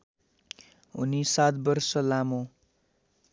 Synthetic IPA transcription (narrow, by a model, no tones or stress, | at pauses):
ɦṵnisat̪̚bʌrsʌlamo